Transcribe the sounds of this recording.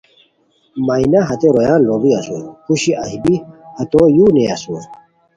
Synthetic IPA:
mainaɦɐt̪eɾojãːnloːviɐsukuɕiʔɐ̰ɦibihɐt̪ojuneɐsu

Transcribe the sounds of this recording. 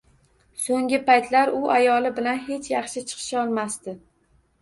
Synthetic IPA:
soŋɡʲɪpajt̪ʰlaɾʊʔajɒlɪbɪlanɦe̞t͡ʃʰjɑχʃɪt͡ʃʰɨ̥qʰɨ̥ʃɒlˠmast̪ɪ

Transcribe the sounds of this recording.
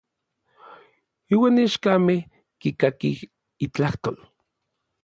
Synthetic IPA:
iwaːniaʃkameh | kikakih | it͡ɬaht̪oːl

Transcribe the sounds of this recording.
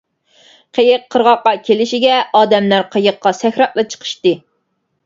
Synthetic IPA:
qʰejəqʰːəɾʁɑqːɑkʲʰelɪʃiɡʲɛɑːd̪ɛmlæɾqʰejəqːɑsɛxʲɾɑt̪̚lˠɨt͡ʃʰə̥qʰə̥ʃt̪ɨ

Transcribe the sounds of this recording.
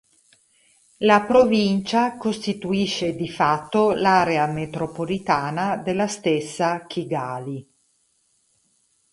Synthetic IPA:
lapɾovint͡ʃakost̪it̪uiʃːed̪ifat̪ːolaːɾeamet̪ɾopolit̪aːnad̪elːast̪esːakʰiɡaːli

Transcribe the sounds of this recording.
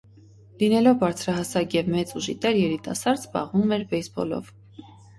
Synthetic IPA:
linɛlɔvbɑɾt͡sʰɾɑɦɑsɑkjɛvmɛt͡suʒḭt̪ɛɾjɛɾit̪ɑ̰sɑɾdbɑ̰ʁvumɛɾbɛjsbɔ̰lɔ̰v

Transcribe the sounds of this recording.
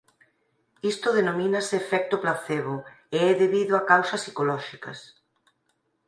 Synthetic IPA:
ist̪ʊð̞enomĩnaseːfɛk̚t̪ʊplaθeβo | eɛðeβiðʊakawsɐsi̥kolɔʃikɐ̰s

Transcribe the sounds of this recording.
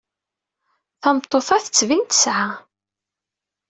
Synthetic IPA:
θɑmt̪ˤːoθɑθət͡sːvint̪ə̥sʕa

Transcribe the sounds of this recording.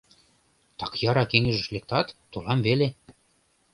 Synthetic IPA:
t̪ɑkjɑɾɑkeŋɘ̆ʒə̆ʃlek̚t̪ɑt̪ːolɑmvele

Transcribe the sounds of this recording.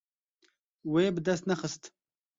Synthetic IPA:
weebəd̪ast̪naxəst̪

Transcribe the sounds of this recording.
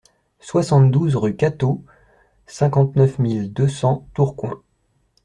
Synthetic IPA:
swasɑ̃t̪̚d̪uzʁykat̪o | sɛ̃kɑ̃t̪nœfmild̪øsɑ̃t̪uʁkwɛ̰̃

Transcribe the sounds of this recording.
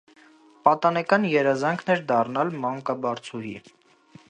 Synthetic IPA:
pɑt̪ɑnɛkɑnjɛɾɑzɑŋkʰnɛɾd̪ɑrnɑlmɑŋkɑbɑɾt͡sʰuɦḭ

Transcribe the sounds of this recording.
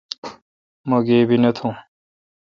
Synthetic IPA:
moɡeːbʱinɐt̪ʰũː

